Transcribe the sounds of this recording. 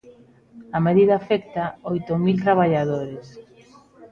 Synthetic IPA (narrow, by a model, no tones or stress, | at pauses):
ameðiðaːfɛkt̪aojt̪omilt̪ɾaβ̞aʎaðoɾes